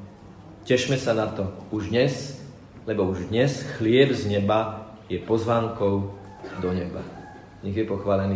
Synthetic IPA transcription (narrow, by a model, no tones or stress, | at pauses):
cɛʃmɛsanat̪ɔuʒd̪ɲɛs | lɛbɔuʒd̪ɲɛsxlɪɛbzɲɛba | jɛpɔzʋaːŋkɔʊ | d̪ɔɲɛba | ɲɛɣjɛpɔxʋaːlɛniː